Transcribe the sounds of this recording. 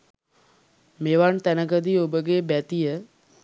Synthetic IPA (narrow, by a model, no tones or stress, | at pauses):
meʋaɳt̪ænəɡəd̪iobəɡebæt̪ijə